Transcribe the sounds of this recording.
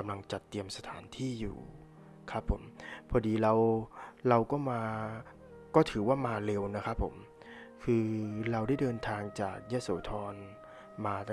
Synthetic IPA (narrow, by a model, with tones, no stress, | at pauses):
ka˧mla˧ŋt͡ɕa˨˩t̪ːi˧əmsa˧t̪ʰa̰ː˩˦nt̪ʰiː˥˩jṵː˨˩ | kʰa˦˥pʰːo˩˦mpʰɔː˧diː˧ɾa˧wɾa˧wkɔː˥˩maː˧ | kɔː˥˩t̪ʰɯː˩˦waː˥˩maː˧le˧wna˦˥kʰa˦˥pʰːo̰˩˦m | kʰɯː˧ɾa˧wda˥˩jdɤː˧nt̪ʰaː˧ŋt͡ɕa̰ː˨˩k̚jɯ˦˥so̰ː˩˦t̪ʰɔː˧n | maː˧t̪a˥˩